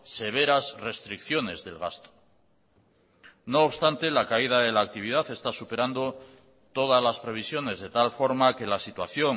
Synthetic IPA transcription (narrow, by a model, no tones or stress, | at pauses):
se̞β̞e̞ɾasre̞st̪ɾikθjo̞ne̞zðe̞̰lɣ̞ast̪o̥ | no̞ːβst̪ant̪e̞lakaið̞aðe̞laːk̚t̪iβ̞iðaθe̞st̪asupe̞ɾand̪o̞ | t̪o̞ðazlaspɾe̞β̞isjo̞ne̞zðe̞t̪alfo̞ɾmake̞lasit̪waθjo̞ŋ